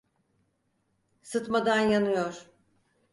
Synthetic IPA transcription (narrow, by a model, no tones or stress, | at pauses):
sɯt̪mad̪anjanɯjoɾ̥